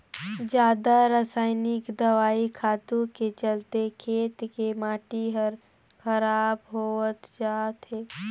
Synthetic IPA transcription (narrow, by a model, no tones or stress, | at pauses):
d͡ʒjaːd̪aɾəsaːɪnɪkd̪əʋaːikʰaːt̪ũket͡ʃəlt̪ekʰeːt̪kemaːʈiɦəɾ | kʰəɾaːbɦoət̪d͡ʒaːt̪ɦeː